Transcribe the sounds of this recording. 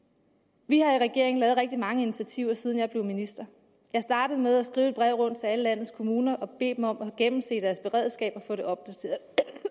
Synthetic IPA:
ʋihɑ̈iʁɛɡ̥e̝ɐ̰eŋ̩lɛːð̩ˠʁɛɡ̥̚d̥imɑ̈ŋəinit͡sʰæt͡sʰiʊ̰ɐsið̞ˠn̩jɑɪble̝ʊminisd̥ɐ | jɑ̈ɪsd̥ɑ̈ːɾ̥əð̞̩ˠmeð̞ˠæsɡ̥ʁiːʊed̥̚b̥ʁɛʊ̰ʁɔ̽n̰d̥̚t͡sʰe̝æləlæn̰ð̩ˠskʰo̝muːnɐʔɒ̽b̥e̝̰ːd̥mɒ̽m̰ɒɡ̥emm̩se̝̰ːd̥æɐsb̥e̝ʁɛ̰ːð̰ˠsɡ̥ɛ̰ːb̥ɒfɔ̽ːɾ̥e̝ʔɒ̽b̥̚d̥æt͡sʰe̝ɐðˠ

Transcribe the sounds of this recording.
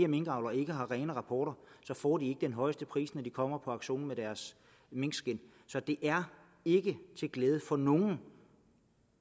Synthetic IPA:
ɐme̝ŋɡ̥ʁɑ̈ʊlɐe̝ɡ̥əɦɑ̈ʁɛːnəʁɑ̈pʰɒ̰ːɾ̥ɐsɒ̽fɒ̰ːd̥ie̝ɡ̥əd̥enɦɒ̽ɪsd̥əpʰʁḭːsnɒd̥ikʰɒ̽m̰ɐpʰɒ̽ɑ̈ɡ̥ɕo̝̰ːn̩med̥æɐs | meŋ̰̥sɡ̥en̰ | sɒ̽d̥e̝ʔæɐ | e̝ɡ̥ət͡sʰe̝lɡ̥leːð̞ˠəfɒ̽noŋn̩

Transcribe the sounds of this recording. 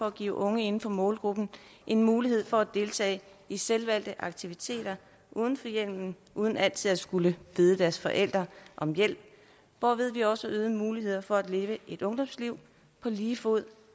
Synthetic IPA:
ɒ̽æɡ̥ḭːʊʔɔ̽ŋəe̝n̩fɒ̽mɔ̽ːlɡ̥ʁub̥n̩ʔe̝nmuːliɦe̝ð̞̰ˠfɒ̽æd̥e̝lt͡sʰɛ̰ːɪ | iselʋæl̰d̥əʔɑ̈ɡ̥̚t͡sʰiʋit͡sʰe̝̰ːd̥ɐ | ʔuːð̞ˠn̩fɒ̽jel̰mn̩ | ʔuːð̞ˠn̩æl̰t͡sʰið̞̰ˠæsɡ̥uləʋiːð̞ˠəd̥æɐsfɒ̽ʔel̰d̥ʁɐʔɒ̽mjel̰b̥ | ʋɒːʋeð̞ˠʋiɒ̽səʔøːðˠəmuːliɦe̝ð̞̰ˠɐfɒ̽æd̥le̝ːʋəʔe̝d̥ɔ̽ŋd̥ɒ̽msliʊ̰ | pʰɒ̽liːfoð̰ˠ

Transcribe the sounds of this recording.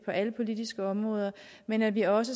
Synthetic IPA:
pʰɒ̽ʔæləpʰo̝lid̥isɡ̥əɒ̽mʁɔ̽ːð̞ˠɐ | menædʋiɒ̽sə

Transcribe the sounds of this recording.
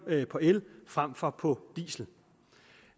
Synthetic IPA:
pʰɒ̽elfʁam̰fɒ̽pʰɒ̽d̥ḭːsl̩

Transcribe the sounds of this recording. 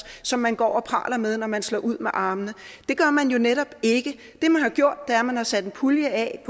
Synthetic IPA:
sɒ̽mːænɡ̥ɒ̰ːɒ̽pʰɑ̰̈ːlɐmeð̞ˠnɒmænslɒ̰ːʔuð̞̰ˠmeʔɑ̈ːmənəd̥e̝ɡ̥ɶɐmænjo̝neɾ̥ɒ̽b̥e̝ɡ̥ə | d̥e̝mænhɑ̈ɡ̥jo̝ɐ̰d̥ːeæɐmænhɑ̈sæd̥enpʰuljəɛpʰ

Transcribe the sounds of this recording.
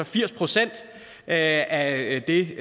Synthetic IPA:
ɒ̽fiɐ̰spʰʁo̝sen̰d̥ | æd̥e̝

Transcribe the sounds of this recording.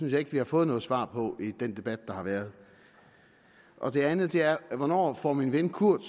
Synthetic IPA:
ynsjɑ̈e̝ɡ̥ʋihɑ̈fɔ̽ːð̩ˠnɔ̽ːð̩ˠsʋɑ̰̈ːpʰɒ̽ʔid̥end̥e̝b̥æd̥̚d̥ɑ̈hɑ̈ʋæːɐð̞̩ˠ | ʔɒ̽d̥e̝ænð̩ˠd̥e̝æɐʋɒnɒ̰ːfɒ̰ːminʋenkʰuɐ̰d̥

